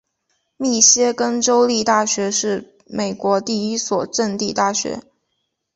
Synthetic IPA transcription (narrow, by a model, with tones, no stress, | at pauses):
mi˥˩ɕjɛ˥kə˥nʈ͡ʂo˥ʊli˥˧t̪a˥˩ɕɥɛ˧˥ʂɻ̩˥˩ | me˨˩ɪkwɔ˧˥t̪i˥˩i˥swɔ˨˩ʈ͡ʂə˥˧nt̪i˥˧t̪a˥˩ɕɥɛ̰˧˥